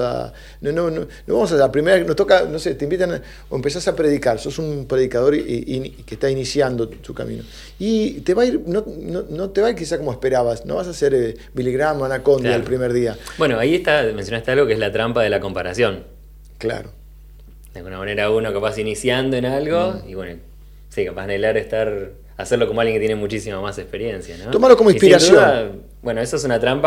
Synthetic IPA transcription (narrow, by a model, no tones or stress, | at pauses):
a̰ | nonononoβamo̞s̬asapɾimeɾaeknot̪o̞kanoset̪eimbit̪an | oempes̬asapɾeðikaɾso̞sumpɾe̞ðikað̞o̞ɾinkest̪ainisjand̪ot̪uka̰mḭ̃no̰ | it̪eβaiɾnononot̪eβaiɾkis̬askomoespeɾaβasno̰βas̬aseɾe | biliɣɾamanako̞nd̪jaelpɾimeɾð̞iabwe̞noaieht̪amensjonast̪ealɣo̞kezlat̪ɾampaðe̞lako̞mpaɾasjo̞n | kla̰ɾo | d̪ealɣunamane̞ɾauno̞kapasinisjand̪oenalɣo̞iβweno | sikapaznelaɾest̪aɾ | aseɾlo̞komoaljeket̪jenemut͡ʃisimamasekspeɾje̞nsjanõt̪omalokomoĩspiɾasd̪ujoðan | bwe̞noesoesunat̪ɾampa